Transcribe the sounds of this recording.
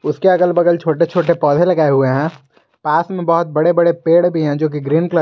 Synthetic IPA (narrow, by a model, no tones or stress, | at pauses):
ʊskeɐkəlbɐɡəlt͡ʃʰoːʈet͡ʃʰoːʈepɔːd̪ʱẽlɐɡaːeɦʊeɦɛ̃ː | paːsmẽbɐɦʊt̪̚bɐɽebɐɽepeːɽbʱiɦɛ̃d͡ʒoːk̬iɡɾiːnklə